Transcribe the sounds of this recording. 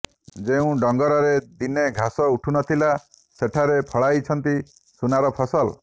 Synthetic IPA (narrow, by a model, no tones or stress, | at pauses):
d͡ʒeũɖɔŋɡɔɾɔɾed̪ineɡʱasɔuʈʰunɔt̪ʰila | seʈʰaɾepʰɔɭajt͡ʃʰɔnt̪i | sunaɾɔpʰɔsɔl